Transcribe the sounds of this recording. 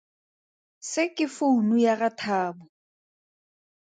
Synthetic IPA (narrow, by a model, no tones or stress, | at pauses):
sɪkʼɪfʊnujaratʰaːbʊ